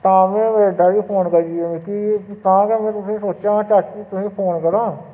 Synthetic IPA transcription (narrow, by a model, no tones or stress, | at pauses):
t̪ãːmẽːʋeːɖaːbiːpʰoːnkəɾd͡ʒiɛːmẽkit̪ãːkɛːmɛ̃ːt̪ʊsĩːsoːt͡ʃãːt͡ʃat͡ʃiːt̪ʊsĩːpʰoːnkəɾãː